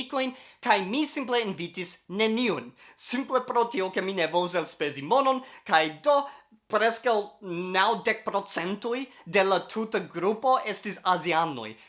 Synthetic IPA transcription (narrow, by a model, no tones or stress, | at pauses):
iko̞jnkajmisimple̞invitisne̞niunsimple̞pɾotio̞ke̞minevols̬elspe̞zimo̞no̞nkajdo̞ | pɾeskawnawdek̚pɾo̞t͡se̞ntujde̞latʰutaɡɾupo̞ʔe̞stisaziano̰j